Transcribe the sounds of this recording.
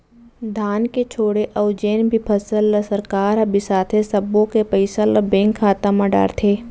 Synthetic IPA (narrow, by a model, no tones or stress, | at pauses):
d̪ʱaːnket͡ʃʰoːɽeʔɐʊd͡ʒeːnbʱipʰɐsəlːəsəɾkaːɾɐbisaːt̪ʰesɐbõkepɐɪsalɐbɛ̃ːŋkʰːaːt̪amɐ̃ɖa̰ːɾt̪ʰeː